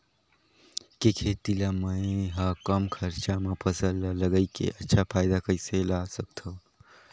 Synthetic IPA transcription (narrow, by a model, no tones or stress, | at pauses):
kekʰeːt̪ilaməẽɦakəmkʰəɾt͡ʃamãpʰəsəlːaləɡəikḛʔətːʃʰapʰaːjd̪akəiselasəkt̪ʰo